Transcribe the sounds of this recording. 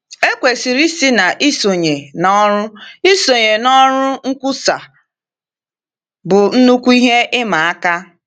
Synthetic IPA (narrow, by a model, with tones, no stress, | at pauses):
e˦kʷe˨si˨ɾi˦si˦na˨ʔi˦so˨ɲe˨nɔ˦ɾʊ˦i˦so˨ɲe˨nɔ˦ɾʊ˦ŋ̩˦kʷʊ˦sa˨ | bʊ˨n̩˦nu˦kʷu˦i˦ɦe˦ɪ˦ma˨a˦ka˦